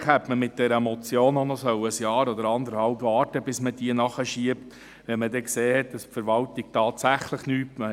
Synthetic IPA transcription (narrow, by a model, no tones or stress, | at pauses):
χɛtməmɪt̚d̥ɛɾəmɔt͡sjoːnɔnɔsœwəsjɑːɾɔdəɾɑnd̪əɾhɑlpvɑːɾtəbɪsmədiənɑχəʃiəpt | ʋɛmədɛkseːhɛt̚dɑspfəɾʋɑltik̚tɑːtsæχləχnyːtmə